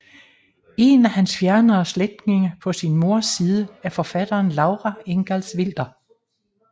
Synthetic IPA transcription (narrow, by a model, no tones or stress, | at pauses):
e̝næhænsfjæɐnɐːsled̥ne̝ŋəpʰɒ̽sinmo̝ɐ̰sːiːð̞ˠəæɐfɒ̽fæd̥ɐːnlɑ̈ʊʁæeŋɡ̥ælsʋel̰d̥ɐ